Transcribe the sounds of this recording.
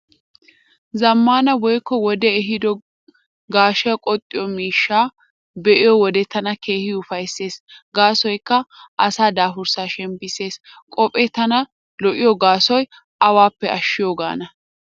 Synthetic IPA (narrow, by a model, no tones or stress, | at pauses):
zɐmːaːnɐwɔjkːɔwɔd̪ɛɛɦɪd̪ɔ | ɡaːʃɛkʼɔt̪ʼːɪjɔmiːʃːaː | bɛʔɪjɔwɔd̪ɛt̪ɐnɐke̞ːhɪʊfɐjsːe̞ːsɡaːsɔjkːɐʔɐsaːd̪aːfʊɾsaːʃɛmbɪse̞ːskʼɔpʼet̪ɐnɐ | lɔʔɪjɔɡaːsɔj | ɐwaːpːɛɐʃːɪjoːɡa̰ːnɐ